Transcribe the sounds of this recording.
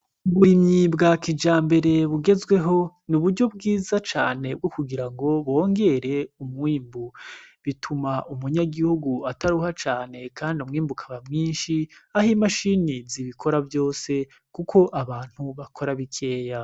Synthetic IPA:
uβuɾimɲibɡakid͡ʒaːmbe̞ɾe̞βuɡe̞zwe̞ɦo̞nuβuɾɟo̞b̚ɡiːzat͡ʃa̰ːne̞b̚ɡo̞kuɡiɾaŋɡo̞βo̞ːŋɡe̞ɾe̞umŋiːmbuβitʰumaʔumuɲaɡihuɡuataɾuhat͡ʃaːne̞kaːndiumŋiːmbukʰaβamŋiːnʃiahimaʃiniziβikʰo̞ɾavjo̞ːse̞ | kukʰo̞ʔaβaːn̥huβakʰo̞ɾaβikʰe̞ːja

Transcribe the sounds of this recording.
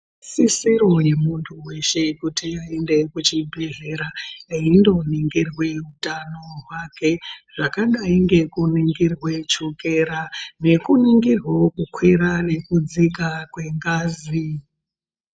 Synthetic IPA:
sisiɾo̞je̞muntʰuwe̞ʃe̞kutiaende̞kut͡ʃibʱe̞ɮe̞ɾaindo̞niŋɡirwe̞utanoɦwake̞ʐ̥akaŋɡaiŋɡe̞kuniŋɡirwe̞t͡ʃuke̞ɾane̞kuniŋɡirwokukʰwiɾane̞kud͡zikakwe̞ŋɡaːzi

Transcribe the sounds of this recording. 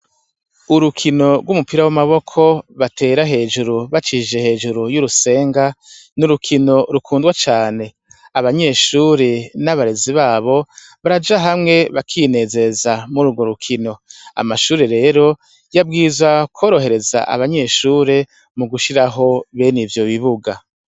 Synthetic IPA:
uɾukʰino̞ɡwumupiɾawamaβo̞kʰo̞βatʰe̞ːɾaɦe̞ːʒuɾuβat͡ʃiʒe̞he̞ːʒuɾujuɾuse̞ːŋɡanuɾukʰino̞ɾukʰuːndɡwat͡ʃaːne̞ | aβaɲe̞ːʃuːɾe̞naβaɾe̞ziβaːβo̞ | βaɾad͡ʒaɦamŋe̞βakʰine̞ːze̞ɾezamuɾuɡo̞ɾukʰino̞a̰maʃuːɾeɾe̞ːɾo̞ | jab̚ɡiːzwakʰo̞ːɾo̞ɦe̞ɾe̞za̰ʔa̰βaɲe̞ʃuːɾe̞ | muɡuʃiɾaɦo̞βenivjo̞βiβuɡa

